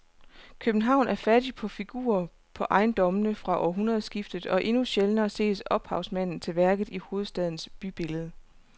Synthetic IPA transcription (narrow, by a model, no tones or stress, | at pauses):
kʰøb̥n̩ɦɑ̈ʊ̰næɐfæd̥ipʰɒ̽fiɡ̥ṵːɐ | pʰɒ̽ʔɑ̈ɪnd̥ɒ̽mənəfʁɑ̈ʔɒ̰ɦunʁɐð̞̩ˠsɡ̥ifd̥ð̩ˠɒ̽ʔe̝nuɕelnɐːse̝̰ːsɒ̽b̥hɑ̈ʊsmæn̰n̩t͡sʰe̝lʋæɐɡ̥ð̞̩ˠiho̝ːð̞̩ˠsd̥ɛð̞ˠn̩sb̥yb̥e̝ləð̞ˠə